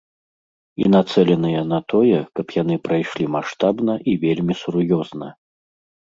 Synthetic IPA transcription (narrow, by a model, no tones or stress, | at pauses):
ḭnat̪sɛlʲɛnɨjɛnɐt̪ɔjɛkɐpjan̪ɨpɾajʂlʲimaʂt̪abnɐʔivʲelʲmʲisuɾjɔznɐ